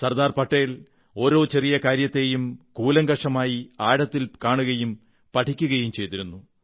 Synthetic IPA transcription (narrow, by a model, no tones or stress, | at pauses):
sɐrd̪aːrpɐʈːeːl | o̞ːɾo̞ːt͡ɕe̞rijɐkaːɾjɐt̪ːe̞ːjumkuːlɐŋɡɐʂɐmaːjiaːɽɐt̪ːilkaːɳuɣɐjum | pɐʈʰikʲːuɣɐjumt͡ɕe̞jt̪iɾunːu